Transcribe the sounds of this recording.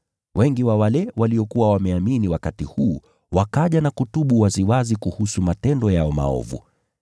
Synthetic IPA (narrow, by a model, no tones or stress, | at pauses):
wʔɛŋɡiwawalɛwaliɔkuwawamɛaminiwakatihuː | wakaʄanakutuɓuwaziwazikuhusumatɛndɔjaɔma̰ɔ̰vṵ